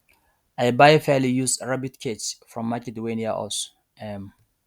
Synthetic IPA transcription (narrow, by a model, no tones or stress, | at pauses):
ajbajfalijusɹabitkʰetsfɹɔ̃mːakɛduwẽniaʔɔ̰so̥ | ɛm